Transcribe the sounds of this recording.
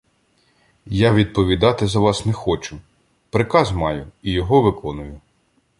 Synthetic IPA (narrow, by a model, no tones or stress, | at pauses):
jaʋʲid̪̚pɔʋʲid̪ɑt̪ɪzɐʋɑsnɛxɔt͡ʃʊ | pɾɪkɑzmɑjʊijɔɦɔʋɪkɔnʊjʊ